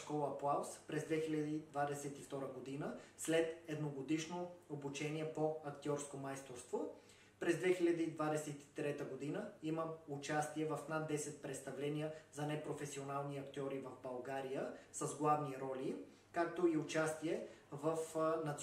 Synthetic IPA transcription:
kɔlˠəplˠawspɾɛzd̪vɛxilʲɐd̪id̪vad̪ɛsɛt̪ift̪ɔɾəɡod̪inəslɛt̪ɛd̪noɡod̪iʃnoobut͡ʃɛniɛpoɐkt̪ʲiɔɾskomajst̪oɾst̪vo | pɾɛzd̪vɛxilʲɐd̪iːd̪vad̪ɛsɛt̪i̥t̪ɾɛt̪əɡod̪inəiməʊt͡ʃast̪iɛvɐfnat̪̚d̪ɛsɛt̪̚pɾɛt̪st̪ɐvlɛnijəzɐnɛpɾofɛsionalˠniɐkt̪ʲɔɾivɐvbɐlˠɡaɾijəsəzɡlˠavniɾɔlʲi | kak̚t̪oiʊt͡ʃast̪iɛ | vəfnɐt̪

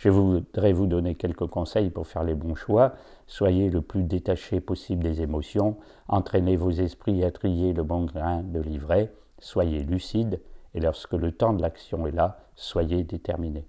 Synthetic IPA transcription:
ʒəvud̪ʁɛvud̪ɔnekʲɛlkəkɔ̃sɛjpuʁfɛʁlebɔ̃ʃwa | swajeləplyd̪et̪aʃepɔsibld̪ezemɔsjɔ̃ | ɑ̃t̪χɛnevozɛspχiat̪χijeləbɔ̃ɡlɛ̃d̪əlivʁe | swajelysid̪elɔʁskələt̪ɑ̃d̪əlaksjɔ̃ɛla | swajed̪et̪ɛʁmine

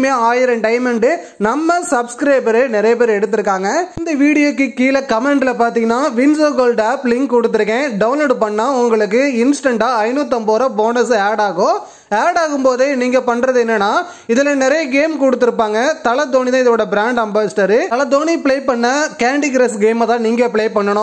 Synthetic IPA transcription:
meːaːjɪɾɐ̃ɳʈɐɪmɛɳɖɯ | nɐmːɐsɐbskɾɐɪbɐɾenɪɾɐjɐp̬eːɾɛɽɯt̪̬ːɯɾɯkːaːŋɡɐnd̪ɐʋiːɽɪjoːkːɯkiːlɐkɐmɛɳɖlɐpaːɾt̪iːŋɡɐnːaːʋɪnsoːɡoːlɖaːplɪŋkkːɔɽɯt̪ːɯɾɯkːẽːɖɐʋʊnloːɽpɐɳːaːʊŋɡɐɭɯkːɯɪnsɪ̥ʈɛɳɖaːɐɪnuːt̪̬ːɐmpoːɾɐboːnɐsaːɽaːɣõ | aːɾɽaːɣɯmpoːðɯniːŋɡɐpɐɳːɾɐðɯɛnːɐnːaː | ɪðɪlɐnɪɾɐjɐɡeːmkɔɽɯt̪ːɯɾɯpːaːŋɡɐt̪ɐlɐd̪oːnit̪ãːɪðɐoːɽɐbɪɾaːɳɖɐmbaːsʈɐɾɯɐlɐd̪oːnipɪɭeːpɐɳːɐkaːɳɖiɡɾɐsɡeːmɐt̪ãːniːŋɡɐpɪɭeːpɐɳːɐɳʊ̃

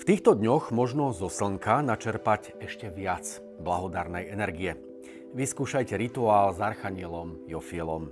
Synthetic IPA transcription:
ft̪iːxt̪ɔd̪ɲɔɣmɔʒnɔzɔsl̩ŋkanat͡ʃɛɾpac | ɛʃcɛʋɪat͡s | blaɦɔd̪aɾnɛjɛnɛɾɡiɛ | ʋiskuːʃajcɛɾit̪uaːlzaɾxaɲɪɛlɔmjɔfiɛlɔm

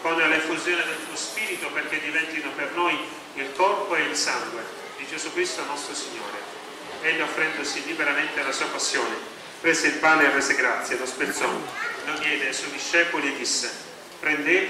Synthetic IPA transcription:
kɔnalefːuzjoːned̪elt̪uospiːɾit̪operk̟ed̪ːivɛnt̪inopernoj | ilkɔrpoeilsaŋɡwe | d̪id͡ʒezukɾist̪onɔst̪ɾosiɲːoːɾe | ɛʎːoofːɾɛnd̪osilibeɾament̪ealasuːapasːjoːne | pɾeːzeilpaːneerːɛːzeɡɾat̪sːjelospeɾt̪sɔnonjɛːd̪eajswɔjd̪iʃːɛːpolied̪ːisːe | pɾend̪e

